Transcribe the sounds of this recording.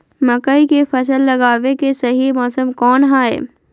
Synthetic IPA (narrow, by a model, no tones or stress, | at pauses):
mɐkəikefɐsəlːɐɡaːʋekesɐɦimɔːsəmkɔːnɦaːḛ